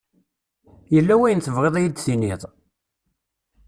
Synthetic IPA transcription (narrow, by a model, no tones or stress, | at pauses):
jəlːæwæjənθəvʁeðˤæjid̪θiniðˤ